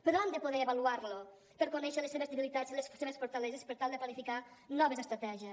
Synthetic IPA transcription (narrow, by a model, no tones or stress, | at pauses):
pəɾɔand̪əpoðɛeβaluaɾlo | pəɾkonɛʃəleseβezðeβilit̪ad͡zilesseβesfoɾt̪alezespəɾt̪alˠd̪əplanifikanɔβezəst̪ɾat̪ɛʒiəs